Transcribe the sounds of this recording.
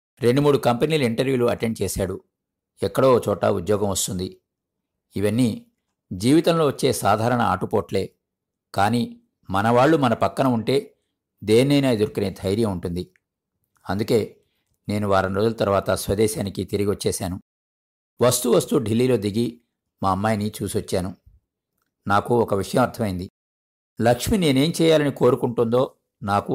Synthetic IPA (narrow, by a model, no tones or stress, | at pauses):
ɾe̞ɳɖumuːɽukɐmpɐniːluiɳʈɐɾjuːluɐʈeɳɖ̚t͡ʃɛːsaːɽu | ɛkːɐɽo̞ːt͡ʃɔːʈɐ̰ud̪jɔːɡɐmʋɐst̪und̪i | iʋɐnːi | d͡ʒiːʋit̪ɐmlo̞ːʋɐt͡ʃːe̞ːsaːd̪ʱaːɾɐɳɐa̰ːʈupoːʈle̞ː | kaːni | mɐnɐʋaːɭːumɐnɐpɐkːɐnɐuɳʈe̞ː | d̪eːnːɐjnaːid̪uɾkuneːd̪ʱɐjɾjɐmuɳʈund̪i | ɐnd̪uke̞ː | ne̞ːnuʋaːɾɐnɾoːd̪ulɐt̪ɐɾʋaːt̪ɐsʋɐd̪ɛːʃaːnikit̪iɾiɡiʋɐt͡ʃːɛːʃaːnu | ʋɐst̪uʋɐst̪uɖilːiːlo̞ːd̪iɡi | maːɐmːaːjɐnit͡ʃuːsiʋɐt͡ʃːaːnu | naːkuɔkɐʋiʂɐjɐmɐɾt̪ʰɐmɐjind̪i | lɐkʂmine̞ːne̞ːmt͡ʃɛːjaːlɐniko̞ːɾukuɳʈund̪o̞ː | naːku